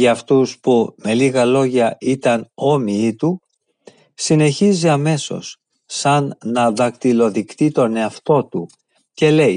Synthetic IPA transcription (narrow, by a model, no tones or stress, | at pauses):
ʝɐːft̪uspume̞liɣɐlo̞ʝɐit̪ɐno̞miit̪u | sine̞çiziɐme̞so̞̰sː | ɐnːɐðɐkt̪ilo̞ðikt̪it̪o̞ne̞ɐft̪o̞t̪u | ce̞le̞j